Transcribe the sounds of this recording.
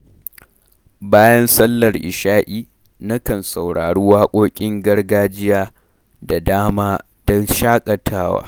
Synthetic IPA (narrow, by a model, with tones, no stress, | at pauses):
baː˦jɐ˦nsɐ˦lːɐ˨rʔɪ̰˨ʃaː˦ʔiː˦ | na˦kɐ˨nsa˨wɽaː˨ɽu˦waː˦kʷʼoː˦kʲʼɪ˦ŋɡɐ˦rɡaː˦d͡ʒɪ˦jaː˦ | da˨daː˦maː˦ | d̥ɔ˦nʃaː˦kʼɐ˨tʰaː˦wa̰ː˦